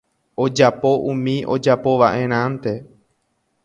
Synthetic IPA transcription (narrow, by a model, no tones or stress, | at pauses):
o̞d͡ʒapo̞ʔũmĩʔo̞d͡ʒapo̞ʋaʔẽ̞ɾ̃ãnt̪e̞